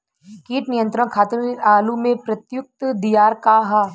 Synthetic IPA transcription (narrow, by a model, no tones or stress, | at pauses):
kiːʈnijə̃nt̪ɾə̃kʰaːt̪ɾiɾaːlumẽpɾɐt̪jʊk̚t̪d̪ijaːɾkaɦa